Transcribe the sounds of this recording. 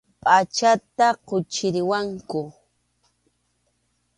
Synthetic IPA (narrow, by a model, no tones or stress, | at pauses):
pʼat͡ʃat̪aqʊt͡ʃɪɾɪwaŋkʊ